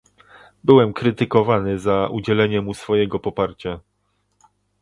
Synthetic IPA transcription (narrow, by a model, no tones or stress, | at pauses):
bɘwɛmkɾɘt̪ɘkɔvanɘzaud͡ʑɛlɛɲɛmusfɔjɛɡɔpɔpaɾt͡ɕa